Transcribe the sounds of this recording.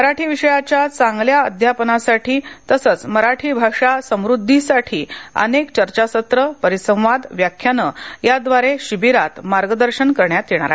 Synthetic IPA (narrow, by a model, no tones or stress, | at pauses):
məɾaʈʰiːʋiɕəjat͡ɕjat͡sãŋɡljaəd̪ʱjapənasaʈʰiːt̪əsət͡sməɾaʈʰiːbʱaʂasə̃m̃ɾud̪ʱːisaʈʰiːə̰nekt͡ɕəɾt͡ɕasət̪ɾəpəɾisə̃w̃ʋad̪ʋjakʰːjanəjad̪ʋaɾeɕibiɾat̪maɾɡəd̪əɾɕənkəɾɳjat̪jeɽ̃a̰ɾa